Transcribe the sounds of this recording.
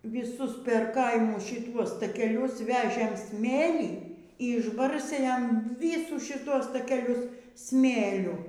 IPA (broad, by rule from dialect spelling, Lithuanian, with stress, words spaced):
ʋʲiːˈsʊs pʲɛr ˈkɐɪmʊs ʃʲɪˈtuɔs tɐkʲɛˈlʲʊs ˈʋʲæːʒʲeːm ˈsʲmʲeːlʲiː iː ɪʒˈbɐrʲsʲtʲeː ˈjɛm ˈʋʲiːsuː ʃʲɪˈtuɔs tɐkʲɛˈlʲʊs ˈsʲmʲeːlʲʊ